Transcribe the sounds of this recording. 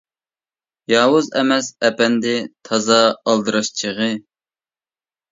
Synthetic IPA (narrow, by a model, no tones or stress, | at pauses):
jɑːwʊzɛ̰mɛsɛpɛnd̪ɪt̪ʰɑzɑːlˠd̪ɨɾɑʃt͡ʃʰəʁɨ